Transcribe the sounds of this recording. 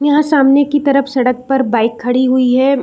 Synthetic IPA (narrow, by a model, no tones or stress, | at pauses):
jɐɦãsaːmnekit̪ɐɾəfsɐɽək̚pɐɾbaːɪkʰːɐɽiɦuiɦɛ